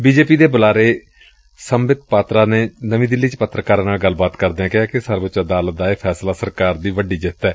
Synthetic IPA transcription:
biːd͡ʒeːpiːd̪eːbʊlaːɾeː | səmbɪt̪̚paːt̪ɾaːneːnəʋĩːd̪ɪlːiːt͡ʃpət̪ːɾəkaːɾãːnaːlɡəlːbaːt̪kəɾd̪eːɛ̃ːkɪãːkɪsəɾbət͡ʃəd̪aːlət̪̚d̪aːeːpʰɛːslaːsəɾkaːɾd̪iːʋəɖiːd͡ʒɪt̪ːɛː

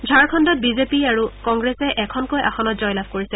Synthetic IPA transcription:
d͡ʒʱaɹkʰɔndɔt̚bizepiaɹukɔŋɡɹɛsɛʔɛkʰɔnkojʔa̰xʰɔnɔtzɔjlabʱkoɹisɛ

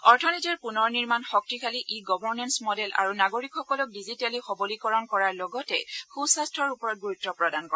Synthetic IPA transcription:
ɔɹtʰɔnitɛɹpunɔɹniɹmanxɔk̚tikʰaliʔiɡɔbɔɹnɛnsmɔdɛlʔa̰ɹunaɡoɹikxɔkɔlɔk̚dizitɛlixɔbɔlikɔɹɔnkɔɹaɹlɔɡɔtɛxusastʰɹɔɹupɔɹɔt̚ɡuɹutːɔpɹɔdankɔɛ

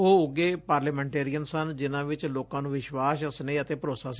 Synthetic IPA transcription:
oːʊɡeːpaːɾləːmɛ̃ːɳʈeːɾijənsənd͡ʒɪnãːʋɪt͡ʃloːkãːnũːʋɪʃwaːsəsnẽːət̪eːpəɾoːsaːs

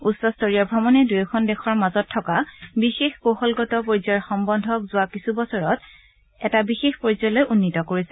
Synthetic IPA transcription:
usɔstɔɹiabʱɔmɔnɛdujɔkʰɔndɛxʰɔɹmazɔtʰːɔkabixexkoxɔlɡɔtɔpoɹizɔɹxɔmbɔndʱɔkzʊwakisubɔsɔɹɔt | ɛtabixexpoɹizɔlɔjʔunːitɔkoɹisɛ̥

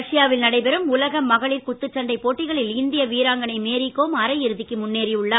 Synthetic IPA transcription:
ʂɪjaːʋɪlnɐɽɐɪpɛɾɯmʊlɐɣɐmːɐɣɐɭiːɾkʊt̪ːɯt͡ʃːɐɳɖɐɪpoːʈːɪɣɐɭɪlɪnd̪ɪjɐʋiːɾaːŋɡɐnɐɪmeːɾikːoːmɐɾɐɪɪɾɯðɪkːɯmʊnːeːɾiʊɭːaː

